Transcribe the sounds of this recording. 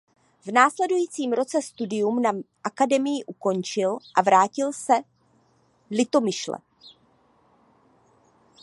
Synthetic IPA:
vnaːslɛdujiːt͡siːmɾo̞t͡sɛst̪udɪjumnaʔakadɛmɪjɪʔuko̞nt͡ʃɪlʔavɾaːcɪlsɛ | lɪt̪o̞mɪʃlɛ̰

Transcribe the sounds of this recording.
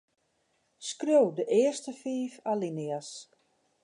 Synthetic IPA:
skrjowdəʔɪəstəfiːfalinɪas

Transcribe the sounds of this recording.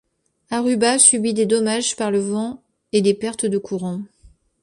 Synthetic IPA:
aʁybasybid̪ed̪ɔmaʒpaʁləvɑ̃ | ed̪epɛʁt̪d̪əkʰuʁɑ̃

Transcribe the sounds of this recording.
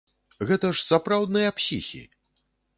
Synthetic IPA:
ɣɛt̪ɐʂsapɾawd̪nɨjɐpsʲḭxʲḭ

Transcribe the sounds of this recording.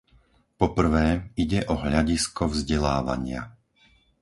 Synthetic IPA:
pɔpr̩ʋɛːiɟɛʔɔɦʎaɟiskɔvzɟɛlaːʋa̰ɲɪa̰

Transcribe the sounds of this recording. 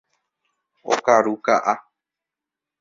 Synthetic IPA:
o̰kaɾukaʔa

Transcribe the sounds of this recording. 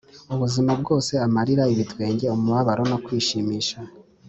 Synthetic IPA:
uβuzimab̚ɡo̞ːse̞amaɾiɾaiβitwe̞ːɲɟe̞omuβaβaɾo̞no̞kwiːʃiːmiːʃa

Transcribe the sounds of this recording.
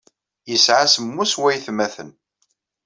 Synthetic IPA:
jəsʕasəmːuswæjθmæθə̰n

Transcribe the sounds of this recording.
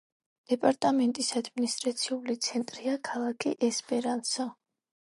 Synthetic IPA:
d̪̥ɛpʼaɾt̪ʼamɛnt̪ʼisad̪minist̪ʼɾat̪sʰiulit̪sʰɛnt̪ʼɾiakʰalˠakʰiʔɛspʼɛɾansɔ

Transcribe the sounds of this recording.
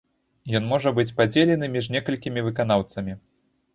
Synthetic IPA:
jɔnmɔʐɐbɨt͡sʲpad͡zʲelʲɛnɨmʲiʐnʲɛkɐlʲkʲimʲivɨkan̪awt̪sɐmʲi

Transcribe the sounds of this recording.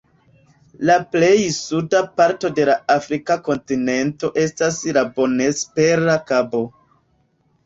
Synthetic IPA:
laple̞jsudapaɾto̞de̞laafɾikako̞ntine̞nto̞ʔe̞staslabo̞ne̞speɾakabo̞

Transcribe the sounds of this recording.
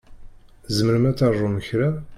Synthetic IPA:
zəməɾmæt͡sːɑrˤuməçɾa

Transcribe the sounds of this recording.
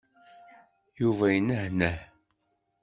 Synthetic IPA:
juvæjənəhnəħ

